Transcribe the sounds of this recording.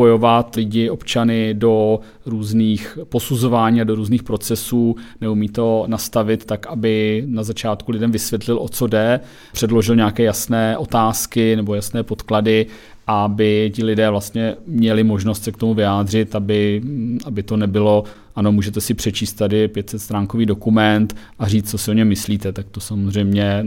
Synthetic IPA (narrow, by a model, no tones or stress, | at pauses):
ojo̞vat̪lɪɟɪʔo̞pt͡ʃanɪdo̞ | ɾuːzniːxpo̞suzo̞vaːɲiːado̞ɾuːzniːxpɾo̞t͡sɛsuːnɛumiːt̪o̞nast̪avɪt̪ːakʔabɪnazat͡ʃaːt̪kulɪdɛmvɪsvjɛt̪lɪlʔo̞t͡so̞dɛ | pr̝̥ɛdlo̞ʒɪlɲɛakɛːjasnɛːʔo̞t̪aːskɪnɛbo̞jasnɛːpo̞t̪kladɪ | ʔabɪcɪlɪdɛːvlast̪ɲɛmɲɛlɪmo̞ʒnost̪sɛkt̪o̞muvɪjaːd̪r̝ɪt̪abɪʔabɪt̪o̞nɛbɪlo̞ | ʔano̞muːʒɛt̪ɛsɪpr̝̥ɛt͡ʃiːst̪t̪ːadɪpjɛt̪sɛt̪st̪ɾaːŋko̞viːdo̞kumɛnt̪ʔariːt͡st͡sosɪo̞ɲɛmːɪsliːt̪ɛt̪ak̚t̪osamozr̝ɛjmɲɛ